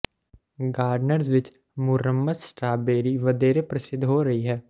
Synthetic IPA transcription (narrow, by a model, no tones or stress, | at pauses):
ɡaːɾɖnəɾzʋɪt͡ʃ | mʊɾəmːəd̪sʈɾaːbeːɾiʋɐd̪eːɾepɾəsɪd̪ʱɦoːɾɐɦiɦɛː